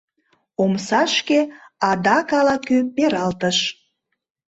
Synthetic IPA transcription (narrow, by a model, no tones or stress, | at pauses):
omsɑʃkeɑd̪ɑkɑlɑkøpeɾɑlt̪əʃ